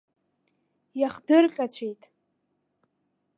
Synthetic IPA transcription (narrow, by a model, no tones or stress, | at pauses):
jaχdɨrqʲʼat͡ɕʷʰejtʼ